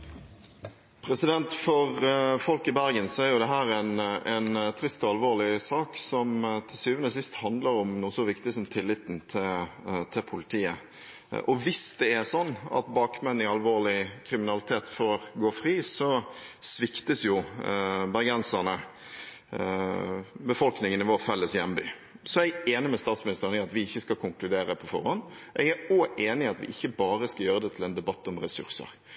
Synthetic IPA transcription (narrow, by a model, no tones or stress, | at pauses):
pʰɾɛsɪd̪ɛnt̪fɔʁfɔlkɪbæɾɡənsɔæɾjʊd̪ɛɦæːɾɛnɛnt̪ʰɾɪst̪ɔɑlʋoːʁlɪsɑːksɔmt̪ʰɪlsyːʋənəsɪst̪hɑnd̪ləɾɔmnuːsɔʋɪkt̪ɪəsɔmt̪ʰɪlːɪt̪n̩t̪ʰɪlt̪ʰɪlpʰʊlɪt̪ʰiːə | ʔɔʋɪsd̪̥ɛɛsɔnːɑ̰t̪bɑːkmɛnːɪɑlʋoːʁlɪkʰɾɪmɪnɑlɪt̪ʰeːt̪fɔɾɡoːɾfʁiːsɔsʋɪkt̪əsjʊ | bɑɾɡɛnsɑnə | bəfɔlknɪŋənɪʋoːʁfɛlːəsjɛmbyː | sɔɛɡeːnɪmɛst̪ɑːt̪smɪnɪst̪əʁənɪɑt̪ʋɪɪçːəskɑkʰʊŋklʉd̪eːɾəpʰɔfɔ̰ɾhɔnː | ʔɛɡæoːʔeːnɪɑt̪ʋɪ̰ʔɪçːəbɑːɾəskɑjøːɾəd̪ɛt̪ʰɪlɛnd̪ɛbɑt̪ːɔmɾɛsʉ̰ɾsə̰ɾ